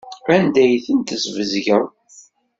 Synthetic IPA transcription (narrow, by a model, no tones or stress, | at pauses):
ænd̪æjθənt̪əzvəzʝəw